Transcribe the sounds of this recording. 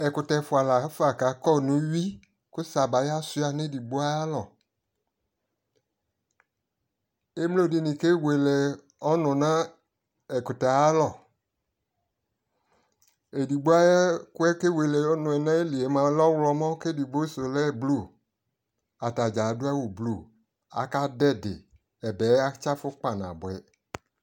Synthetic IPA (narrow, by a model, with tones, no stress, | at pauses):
ɛ˨kʊ˨tɛ˧˨˦fʊ˨a˨la˨˦fa˨ka˨˦kɔ˦˨nũ˨˦wi˦ | kʊ˦sa˨ba˨ja˦sʊ˧˦a˨nẽ˦di˨ɡ͡bo˦a˦a˦lɔ˨ | e˦m˦lo˦˨di˨nĩ˨ke˦we˨lɛ˨ | ɔ˦nʊ̃˨nã˦ | ɛ˨kʊ˨tɛ˨a˦lɔ˨ | e˨di˨ɡ͡bo˦a˦jɛ˦kʊ˦ɛ˦ke˦we˨le˨ɔ˦nʊ̃˨ɛ˨nã˦e˦li˨e˨˦mã˦lɔ˦wlɔ˧˦mɔ̃˦ke˦di˨bo˦so˨lɛ˦˨blu˦˨ | a˨ta˨d͡ʒa˨˦dʊ˦a˦wo˨blu˦˨ | a̰˨ka˦dɛ˦˨dɪ̰˨ | ɛ˨bɛ˨˦a˦t͡ʃa˦fʊ˦k͡pa˨nã̰˨bʊ˨ɛ˨